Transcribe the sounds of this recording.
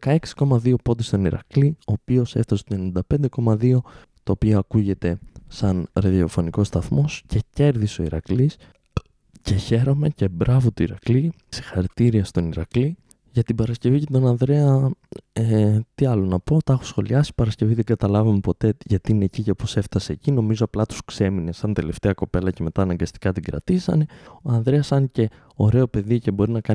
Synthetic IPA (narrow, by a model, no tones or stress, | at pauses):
kɐe̞ksi̥ko̞mɐðio̞po̞d̪ist̪o̞niɾɐ̰klio̞ːpio̞seft̪ɐse̥t̪oe̞ninid̪ɐpe̞nd̪e̞ko̞mɐðio̞ | t̪oːpioɐkuʝe̞t̪e̞sɐnɾɐðio̞fo̞niko̞st̪ɐθmo̞sce̞ce̞ɾðiso̞iɾɐ̰klis | ce̞çe̞ɾo̞me̞ce̞bɾɐvot̪oiɾɐkli | si̥xɐɾit̪iɾiɐst̪o̞niɾɐkli | ʝɐt̪ibɐɾɐsce̞vicet̪onɐnðɾe̞ɐ | et̪iɐlo̞nɐpo̞t̪ɐxo̥sxo̞liɐsi̥pɐɾɐsce̞viðe̞ŋɡɐt̪ɐlɐvɐme̞po̞t̪e̞ʝɐt̪iine̞cicepose̞ft̪ɐse̞ːcino̞mizo̞ɐplɐt̪u̥skse̞mine̞sɐnt̪e̞left̪eɐko̞pe̞lɐce̞me̞t̪ɐːnɐŋɡɐst̪i̥kɐt̪iɡɾɐ̰t̪isɐ̰ne̞oɐnðɾe̞ɐsɐnce̞ | o̞ɾe̞o̞pe̞ðice̞bo̞ɾinɐkɐ